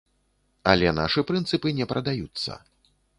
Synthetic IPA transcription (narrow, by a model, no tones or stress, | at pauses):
alʲɛna̰ʂɨpɾɨnt̪sɨpɨnʲɛpɾʔɐd̪ajut̪sːɐ̰